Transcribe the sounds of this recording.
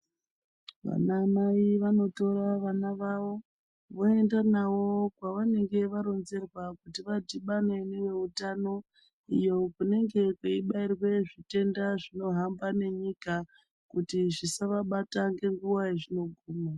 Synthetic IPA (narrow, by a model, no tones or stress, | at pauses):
ʋa̰namaiʋano̞to̞ɾaʋanaʋaʋo̞ | ʋo̞e̞ndanawo̞kwaʋane̞ŋɡe̞ʋaɾo̞nze̞rwakutiʋadiɓane̞newe̞utano̞ | ḭjo̞kune̞ŋɡe̞keiɓairwe̞ʐite̞ndaʐino̞ɦambane̞ɲika | kutiʐisaʋaɓataŋɡe̞ŋɡuwaeʐino̞ɡʱuːma